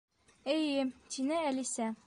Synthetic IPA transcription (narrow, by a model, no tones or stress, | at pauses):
ɘjɘt̪inɘælisæ